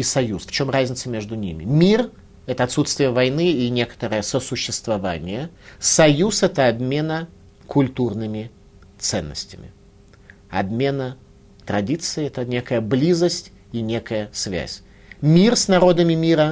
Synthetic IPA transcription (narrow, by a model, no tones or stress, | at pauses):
isɐjusft͡ɕo̞mrazʲnʲɪt̪səmʲe̞ʐd̪ʊnʲimʲɪ̰mʲir | ɛt̪əɐt̪sut̪st̪vʲɪjəvɐjnɨinʲe̞kə̥t̪əɾəjəsəsʊɕːɪst̪vɐva̰nʲɪjəsɐjusɛt̪əɐbmʲe̞nə | kʰʊlʲt̪urnɨmʲɪ | t̪sɛ̰nːə̰sʲtʲɪmʲɪ̰ | ɐbmʲe̞nə | t̪ɾɐdʲit̪sɨɪɛt̪ənʲe̞kəjəblʲizəsʲtʲ | inʲe̞kəjəsvʲæ̰sʲ | mʲirsnɐɾo̞d̪əmʲɪmʲiɾə